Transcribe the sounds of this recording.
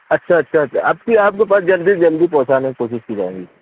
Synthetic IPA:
ɐtːʃʰaɐtːʃʰaɐtːʃʰa̰ʔɐːp̚kiaːp̚kepaːsd͡ʒɐld̪iːsd͡ʒɐld̪ipɔ̃ɦt͡ʃaːnekikoːʃɪʃkiːd͡ʒaːeːŋɡiː

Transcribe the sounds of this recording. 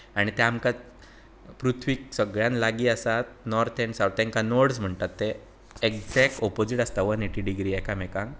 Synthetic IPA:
aɽ̃it̪eamkat͡s | pɾut̪ʰʋiksəɡɭjãnlaɡiːasat̪̚nɔɾt̪ʰeɳsawt̪ẽŋkanoɾɽsm̤əɳt̪at̪ːe | ekd͡zɛkʈɔpod͡ʑiʈast̪aʋəneʈiɖiɡɾiːɛkamɛkãŋ

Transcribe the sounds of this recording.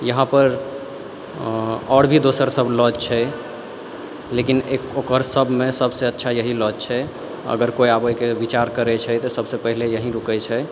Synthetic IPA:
jəɦãpəɾ | ɔɽbʱid̪osəɾsəblɔd͡ʒt͡ʃʰɛ | lekineokəɾsəbʱmẽsəbseətːʃʰajəɦilɔd͡ʒt͡ʃʰɛ | ə̰ɡəɾkoiabəjkeʋit͡ʃaɾkəɾɛt͡ʃʰɛt̪ɔsəbsepəɦilejəɦĩɾukɛt͡ʃʰɛ

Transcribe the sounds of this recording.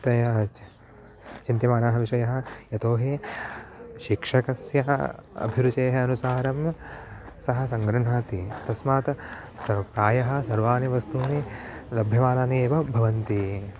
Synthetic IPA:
t̪ɐjɐ | t͡ʃint̪jɐmaːnaːɦɐʋiʂɐjɐɦɐ̆jɐt̪oːɦi | ʃikʂɐkɐsjɐɐ̰bʱiɾut͡ʃeːɦɐɐnusaːɾɐm | sɐɦɐ̆s̬ɐŋɡɾɐɳ̤aːt̪it̪ɐsmaːt̪ | sɐpɾaːjɐɦɐ̆sɐɾʋaːniʋɐst̪uːnilɐbʱjɐʋaːlaːneeːʋɐbʱɐʋɐnt̪i

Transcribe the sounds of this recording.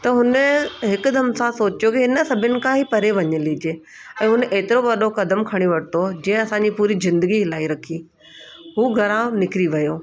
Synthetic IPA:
t̪ɐɦʊnɦɪkʊ̆d̪ʱɐmsãsoːt͡ɕjokiɦɪnə̆sɐbʱɪnɪ̆kʰãɦipɐɾeʋɐɲəliːd͡ʑeː | ɛ̃ːɦʊnʔeːt̪ɪɾoʋɐɗokɐd̪əmkʰɐɽ̃iʋɐʈɪt̪od͡ʑɛ̃ːɪ̃ɐsãɲd͡ʑipuːɾizɪ̃nd̪əɡiɦɪlaːiɾɐkʰi | ɦuːɡʱɐɾãnɪkɪɾiʋɐjoː

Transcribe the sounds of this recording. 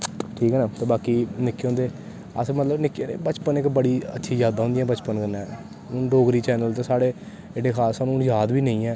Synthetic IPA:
ʈʰiːkɦɛːnaːt̪eːbaːkiːnɪkːeõːnd̪eː | ə̰smət̪ləbnɪkːnḛːbət͡ʃpənɪkbəɽiːə̰tːʃʰiːzaːd̪aːɦõnd̪ɪjãːbət͡ʃpənkənːãː | ʊnɖoːɡɾiːt͡ʃɛːnəlt̪eːsaːɽeː | eɖeːkʰaːsːaːnũːnd͡ʒaːd̪biːnə̃ĩːɛː

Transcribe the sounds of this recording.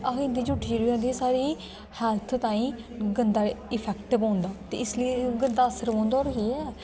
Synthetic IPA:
aɦɪ̃nd̪iːd͡ʒʊʈʰid͡ʒəɾiːãːnd̪iːsaːɾiː | hɛːlt̪ʰt̪ãːĩː | ɡənd̪aːɪpʰɛːkʈbãːnd̪aːt̪ḛːɪsliiɡənd̪aːəsəɾõːnd̪aɔːɾɦiːɛː

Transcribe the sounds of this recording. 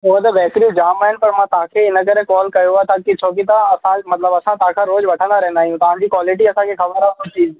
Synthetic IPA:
ʊɦə̃t̪ɐʋɛːkɾid͡ʑaːmaːɦɪnɪ̆pɐɾmãːt̪ɐɦãkʰeɪnəkɐɾekɔːlkɐjoaet̪ʰakit͡ʃʰoːkit̪̬aɐsãmɐt̪ləbɐsãt̪ɐɦãkʰãɾoːzʋɐʈʰə̃nd̪aɾɛɦɪ̃nd̪aːɦijũt̪ɐʋ̤ãɲd͡ʑiːkwaːlɪʈiɐsãkʰexɐbəɾaõt͡ɕiːz

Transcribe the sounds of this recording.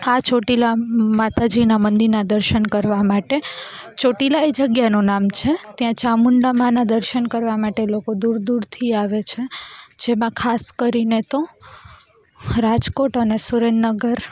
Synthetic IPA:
at͡ʃʰoʈilamat̪ad͡ʒinamənd̪iɾnad̪əɾʃənkəɾʋamaʈet͡ʃʰoʈilaed͡ʒəɡjanonamt͡ʃʰet̪jãt͡ʃamuɳɖamãnad̪əɾʃənkəɾʋamaʈelokod̪uɾd̪uɾt̪ʰiaʋet͡ʃʰed͡ʒemãkʰaskəɾinet̪o | ɾad͡ʒkoʈənesuɾenːəɡəɾ

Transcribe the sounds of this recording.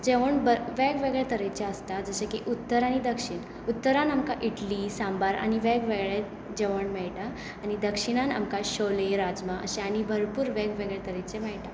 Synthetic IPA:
d͡ʑeʋəɳbəʋɛɡʋeɡɭet̪əɾet͡ɕeəst̪ad͡zəɕekiʔut̪ːəɾaɽ̃id̪əkʂiɳ | ut̪ːəɾanamkaʔiʈlisambaɾa̰ɽ̃iʋɛɡʋeɡɭe | d͡ʑeʋəɳmɛɭʈaː | ñid̪əkʂiɽ̃ana̰mkaɕoleɾad͡zmaʔə̰ɕeaɽ̃ibʱəɾpuːɾʋɛɡʋeɡɭet̪əɾet͡ɕemɛɭʈa

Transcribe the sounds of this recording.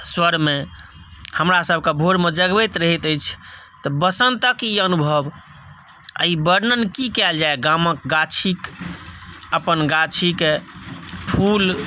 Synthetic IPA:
swəɾme | həmɾasəb̚ʱkebʱoɾmed͡ʒəɡbəjt̪ɾəɦit̪əjt͡ʃʰ | t̪ɔbəsənt̪əkiənubʱəb | ə̰ibəɾnənkikɛld͡ʒaeɡamək̚ɡat͡ʃʰik | əpənɡat͡ʃʰike | pʰul

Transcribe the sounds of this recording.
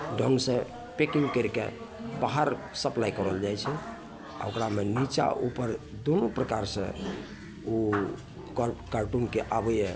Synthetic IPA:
ɖʱɔŋsẽ | pekiŋɡkəɾkḛ | baɦəɾ | səplajkɔɾəld͡ʒajt͡ʃʰɛ | a̰okɾamenit͡ʃa̰ʔupəɾ | d̪onopɾəkaɾsə̰̃ | u | kaɾʈunkeʔabəɛ

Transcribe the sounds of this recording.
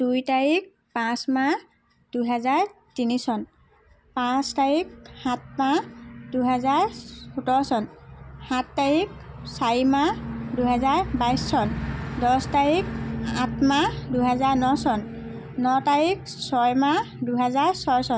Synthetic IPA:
d̥ujtaɹik̚ | pãsma | d̥ujɦɛzaɹ | tinisɔn | pãstaɹik̚hãt̚mad̥uɦɛzaɹxutɔɹsɔnhãtːaɹik̚saɹimaduɦɛzaɹbajsːɔndɔstaɹika̰tʰmaduɦɛzaɹnɔsɔnː | ɔtaɹik̚ | sɔjma | duɦɛzaɹsɔjsɔn

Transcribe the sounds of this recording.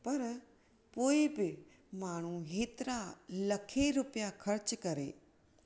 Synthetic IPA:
pɐɾ | poːɪbɪ | maːɳ̤ũɦeːt̪ɪɾalɐkʰeɾʊpijakʰɐɾt͡ɕkɐɾḛː

